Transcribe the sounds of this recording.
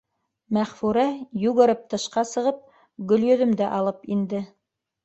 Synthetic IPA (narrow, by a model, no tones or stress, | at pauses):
mæχfuɾæjʉɣɤ̆ɾɤp̚t̪ɤ̆ʃqɑsɤ̆ʁɤp̚ | ɡɵ̆ljɵ̆ðɵ̆md̪æʔɑlˠɤpind̪ɘ